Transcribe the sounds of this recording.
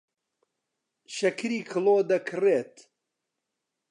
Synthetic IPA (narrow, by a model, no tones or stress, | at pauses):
ʃɐkʰɾiːkʰɨlˠoːd̪ɐkʰɨreːt̪